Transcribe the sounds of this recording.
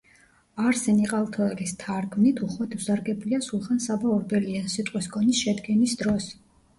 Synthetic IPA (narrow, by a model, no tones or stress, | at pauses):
aɾsɛniqʼalˠt̪ʰɔɛlist̪ʰaɾɡmnit̪ʰuχwat̪ʰvsaɾɡɛbliasulˠχansabaɔɾb̪ɛliasit̪ʼqʼiskʰʼɔnisʃɛd̪ɡɛnisd̪ɾɔs